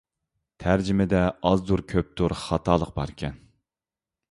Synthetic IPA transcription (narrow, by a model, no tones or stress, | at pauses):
t̪ʰæɾd͡ʒɪmɪd̪ɛɑzd̪uɾkʲʰøp̚t̪ʰuɾχɑt̪ʰɑːlˠəq̚bɑɾkʲʰɛn